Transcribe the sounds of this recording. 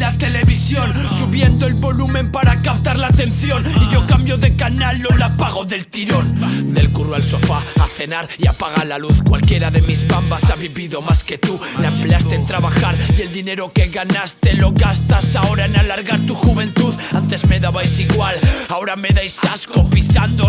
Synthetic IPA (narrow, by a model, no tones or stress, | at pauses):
lat̪ele̞βisjo̞nsuβjend̪oelβo̞lume̞mpaɾakap̚t̪aɾlaːt̪e̞nθjoniʝo̞kambjo̞ðekanalolapaɣ̞o̞ðe̞lt̪iɾo̞nd̪e̞lkurwalso̞faaθe̞naɾiapaɣ̞alaluθkwa̰lkje̞ɾaðemizβambasaβiβiðo̞masket̪ulaempleast̪ent̪ɾaβaxaɾield̪ine̞ɾokeɣanast̪e̞lo̞ɣast̪asao̞ɾaenalaɾɣaɾt̪uxuβe̞nt̪uðant̪e̞zmeðaβajsiɣwalaoɾameðajsaskopisand̪o